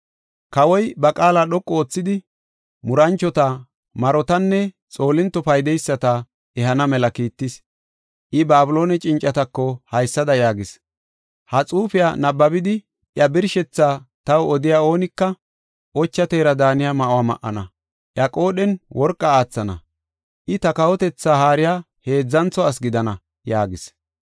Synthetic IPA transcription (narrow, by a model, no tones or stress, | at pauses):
kɐwɔjbɐkʼaːlaːɗɔkʼːɔoːt͡sːɪd̪ɪ | mʊɾɐnt͡ʃːɔt̪a | mɐɾɔt̪ɐnːɛ | t͡sʼo̞ːlɪnt̪ːɔfɐjd̪ɛjsːɐt̪ɐ | ɛɦɐnɐmɛlɐkiːt̪ːɪs | ʔɪbaːbʊlo̞ːnɛt͡ʃʼɪnt͡ʃʼːɐt̪ɐkːɔhɐjsːɐd̪ɐjaːɡɪs | hɐt͡sʼuːfɪja̰nɐbːɐbɪd̪ɪ | ʔjɐbɪɾʃɛt͡sːaːt̪ɐwɔd̪ɪjaːo̞ːnɪkːɐ | ʔɔt͡ʃːɐt̪eːɾɐd̪aːnɪjamɐʔʊwaːmɐ̰ʔːɐ̰nɐ | ʔjɐkʼo̞ːɗɛnwɔɾkʼːɐaːt͡sːɐnɐ̰ | ʔɪt̪ɐkɐwɔt̪ɛt͡sːaːhaːɾɪja | he̞ːd͡zːɐnt͡sɔɐs̬ɡɪd̪ɐnɐ | jaːɡɪs